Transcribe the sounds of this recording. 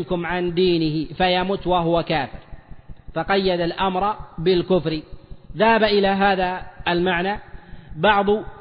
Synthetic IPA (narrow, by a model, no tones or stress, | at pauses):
nkʊmʕand̪iːnɪhɪfajamuːt̪waɦʊwakaːfɪɾfɑqɑjːad̪alʔamɾˤbɪlkʊfɾɪðahabaʔɪlaɦaːðaalmaʕnabɑʕd̪ˤʊ